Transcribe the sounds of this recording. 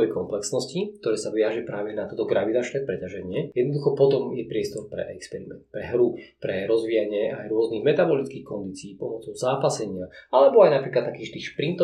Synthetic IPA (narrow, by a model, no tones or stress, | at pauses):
ʋɛjkɔmplɛksnɔscik̚t̪ɔɾɛːsaʋiaʒɛpɾaːʋɛnat̪ɔt̪ɔɡɾaʋid̪at͡ʃnɛːpɾɛcaʒɛɲɪɛjɛd̪nɔd̪uxɔpɔt̪ɔmjɛpɾɪɛst̪ɔɾpɾɛ̰ʔɛkspɛɾimɛ̰nt̪̚pɾɛɦɾupɾɛɾɔzʋijaɲɪɛajɾʊɔzniɣmɛt̪abɔlit͡skiːxkɔnd̪iːt͡siːpɔmɔt͡sɔʊzaːpasɛɲɪaalɛbɔajnapɾiːklat̪ːakiːʃt̪iːxʃpɾint̪ɔ